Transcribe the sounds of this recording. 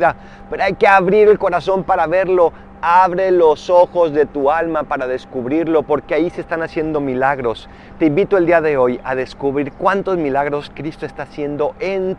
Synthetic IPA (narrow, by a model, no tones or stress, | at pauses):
ða | pe̞ɾoajke̞aβɾiɾe̞lko̞ɾaso̞mpaɾaβe̞ɾlo̞ | aβɾe̞lo̞so̞xo̞zðe̞t̪ualmapaɾaðe̞skuβɾiɾlo̞po̞ɾkeaiseːst̪anasje̞nd̪o̞milaɣɾo̞s | t̪e̞imbit̪oeld̪iaðe̞o̞jaðe̞skuβɾiɾkwant̪o̞zmilaɣɾo̞skɾist̪oe̞st̪aːsje̞nd̪o̞ʔen